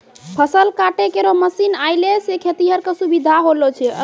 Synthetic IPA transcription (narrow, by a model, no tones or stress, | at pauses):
pʰəsəlkaʈekeɾoməsinajlesekʰet̪iɦəɾkesubid̪ʱaɦolot͡ʃʰɛə̰